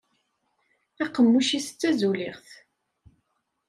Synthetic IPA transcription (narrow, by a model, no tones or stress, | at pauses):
æqːəmːuʃisə̥t͡sːæzuliʁθ